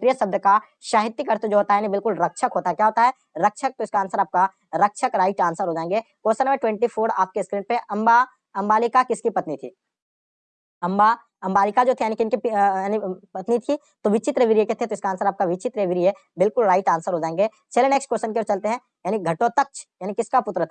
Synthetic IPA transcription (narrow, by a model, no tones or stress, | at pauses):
pɾijəsɐb̚d̪ʱka | ʃaːɦɪt̪ːikɐɾt̪od͡ʒoɦoːt̪aɦɛjaːnibɪlkʊlɾɐkʃʰəkɦoːt̪aɦɛkjaːɦoːt̪aɦɛ | ɾɐkʃʰək̚t̪oɪskaːnsəɾaːp̚ka | ɾɐkʃʰəkɾaːiʈãːnsəɾɦoːd͡ʒaːẽːŋɡeːkoːsənmẽʈwɛ̃ɳʈipʰoːɾa̰ːp̚keskɾiːʈ̚peʔɐ̃mba | ɐ̃mbaːlɪkakɪskipɐt̪nit̪ʰḭː | ɐ̃mba | ɐ̃mbaːlɪkad͡ʒoːt̪ʰejaːnikiɪnkipjaːnipɐt̪nit̪ʰi | t̪oʋɪt͡ʃɪt̪ɾeːʋiɾieket̪ʰet̪oɪskaːnsəɾaːp̚kaʋɪt͡ʃɪt̪ɾeʋiɾiɛ | bɪlkʊlɾaːiʈãːnsəɾɦoːd͡ʒaːẽːŋɡe | t͡ʃʰeleneːksʈkwoːsʃənk̬eɔɾt͡ʃɐlt̪eɦɛ̃ | jaːniɡʱɐʈõt̪ɐkt͡ʃʰjaːnikɪskapʊt̪ɾət̪ʰa